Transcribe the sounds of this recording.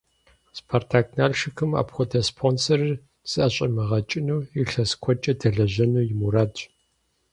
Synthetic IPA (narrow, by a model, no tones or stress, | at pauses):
spʰortʰaːk̚naːɮʃɪxɨma̰ːpχʷʊdʰɐspʰonsɐrɨ | z̥ɨʔɐɕʼɐmɨʁɐt͡ʃʼɪnuːɪɬɐskʷʰɔt͡ʃʼɐdʰɐɮɐʑɐnuːjɪmuɾaːt